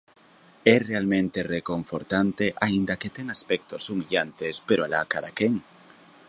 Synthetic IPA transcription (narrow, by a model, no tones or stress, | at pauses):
erealmẽnt̪ereko̞ɱfoɾt̪ant̪eʔaind̪aket̪eŋaspek̚t̪osumiʎant̪espeɾoalakaðakeŋ